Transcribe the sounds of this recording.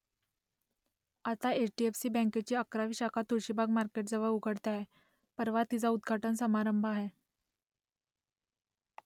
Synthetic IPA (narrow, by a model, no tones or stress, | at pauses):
at̪aet͡ɕʈiefsiːbɛ̃ŋket͡ɕiːəkɾaʋiːɕakʰat̪uɾɕibʱaɡmaɾkeʈ̚d͡zəʋəɭuɡʱəɽt̪aɦe | pəɾʋat̪id͡zaud̪ɡʱaʈənsəmaɾəmbʱaɦe